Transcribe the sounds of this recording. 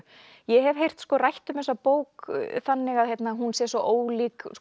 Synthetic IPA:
jɛɦɛvɦejr̥t̪skɔːrajht̪ʏmɛs̬apoːwkθanːɪɣaðhjɛjt̪naɦunsjɛsɔʔoːwliːks

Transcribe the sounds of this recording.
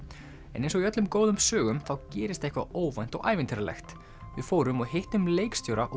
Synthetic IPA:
ɛ̰nẽjnsɔiœt̪lʏmkoːwðʏmsœːɣʏmθawcɛːɾɪst̪ehkvaoːwvajn̥t̪ɔ̰ɣʔaːjvɪnt̪ʰɪɾalɛ̰xt̪ | vɪfoːwɾʏmɔɣɦejht̪ʏmleːjkst̪jowɾaʔɔ

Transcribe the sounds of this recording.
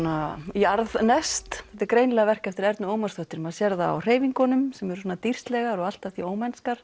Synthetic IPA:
naiaɾðnɛst̪θɛ̥ht̪ɪɾkɾejnlɛɣavɛr̥kaft̪ɪɾɛɾt̪nʏoːwmast̪ɔht̪ɪɾmaðsjɛɾða̰ːwr̥eːjviŋkɔnʏmsɛmɛɾʏsɔːnat̪ir̥st̪lɛɣaɾɔɣal̥t̪avθioːwmɛnskaɾ̥

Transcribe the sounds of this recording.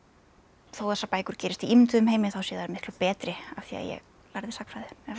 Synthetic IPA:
θowθɛsapaːjkʏɾ̥cɛːɾɪst̪iimt̪ʏðʏmhɦeːjmɪθawsjɛːðaɾmɪhklʏpɛːt̪ɾɪa̰v̥θia̰ðjɛ̰ɣ | laɾðɪsakfɾajðʏɛ

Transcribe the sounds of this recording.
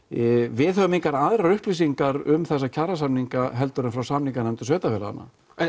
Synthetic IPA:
vɪðhœvʏmiŋkaɾaðɾaɾʏhplisiŋkaɾʏmθɛsːacʰaras̬amniŋkaɦɛlt̪ʏɾɪnfɾawsamniŋkanɛmt̪ʏsvœːt̪afɛɾaða̰nːa̰

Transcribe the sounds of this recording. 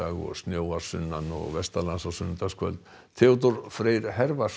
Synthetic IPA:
aɣɔ̰ɣsnjoːwaɾ̥sʏnːanːɔ̰ɣvɛst̪alansasʏnt̪askvœlt̪ | t̪ʰɪɔt̪̬ɔɾfɾeːjɾɦɛɾvar

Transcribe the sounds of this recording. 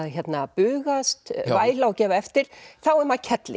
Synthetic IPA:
ðçɛt̪napʏːɣast̪vaːjlawcɛːvaɛft̪ɪɾ̥θawɛmaðcʰɛt̪lɪ̰

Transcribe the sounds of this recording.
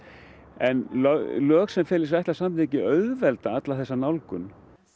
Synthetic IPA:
ɛnllœːxsɛmfɪːlɪɾs̬ɛht̪asamt̪ɛcɪœɥðvɛlt̪aat̪laθɛsːanawlkʏn

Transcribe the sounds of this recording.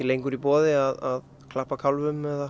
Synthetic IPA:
ilejŋkʏɾipɔːðɪaðað | kʰlahpakʰalvʏmɛða

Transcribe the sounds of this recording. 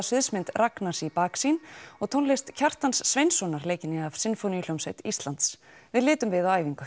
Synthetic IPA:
lʏðsmɪnt̪raknasipaːksinɔɣt̪ʰownlejst̪cʰar̥t̪ansːvejnsɔnaɾleːjcɪnɪav̥sɪnfownil̥owmsejt̪ist̪lant̪s | vɪðlɪːt̪ʏmvɪðawajviŋkʏ

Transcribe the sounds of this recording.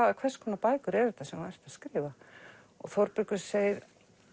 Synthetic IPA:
aðakʰvɛr̥skʰɔnapaːjkʏɾɛɾɪ̥θasɛmaɛjr̥t̪aðskɾɪːva | ɔ̰ɣθɔwɾpɾʏkʏɾ̥seːjɪð

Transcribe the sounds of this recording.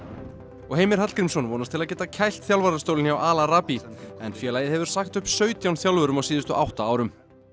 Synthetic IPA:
ɔɣheːjmɪɾ̥hat̪kɾimsɔnvɔːnast̪ʰɪlaðc̬ɛːt̪acʰajl̥t̪θjawlvaɾaɾ̥t̪owlnawʔaːlaɾaːpiɛnfjɛːlaːjɪðhɦɛvʏɾ̥saxt̪ʏhpsœːɥt̪jawnθjawlvœɾʏmawsiːðʏst̪ʏʔawht̪aaːwɾʏm

